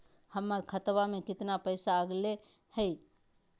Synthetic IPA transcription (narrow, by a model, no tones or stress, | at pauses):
həmːaɾkʰət̪ʋamẽkɪt̪napəɪsaəɡle | hɛi